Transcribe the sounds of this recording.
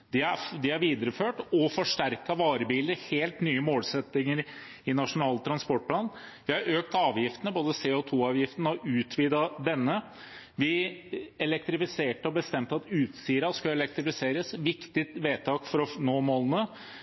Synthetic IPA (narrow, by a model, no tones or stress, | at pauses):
d̪ɪæd̪ɪæɾʋiːd̪əɾəføːʈɔfɔʂʈæɾkɑʋɑːɾəbiːləɾheːlt̪nyːəmoːlsɛt̪ːɪŋəɾ | ɪnɑʂʊnɑːlt̪ʰɾɑnspɔʈ̚pʰlɑːnʋɪhɑɾøːkt̪ɑːʋjɪft̪ənəboːd̪əseːɔt̪ʰuːɑːʋjɪft̪ənəɔʔʉːt̪ʰʋiːd̪ɑd̪ɛnːə | ʋɪɛlɛk̚t̪ɾɪfɪseːʈəɔbəst̪ɛmt̪ɑt̪ʉːt̪siːɾɑskɑɛlɛk̚t̪ɾɪfɪseːɾəsʋɪkt̪ɪt̪ʋeːt̪ʰɑːkfɔɾɔnoːmoːlənə